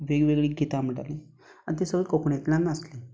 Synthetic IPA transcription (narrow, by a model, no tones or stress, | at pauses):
ʋeɡʋeɡɭeːɡʱet̪am̤əʈa̰le | a̰nit̪esəɡɭekokɳet̪lãnaəsle